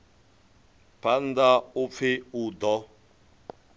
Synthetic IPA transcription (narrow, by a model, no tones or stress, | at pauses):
pʰandaup̪fʰɪud̪ɔ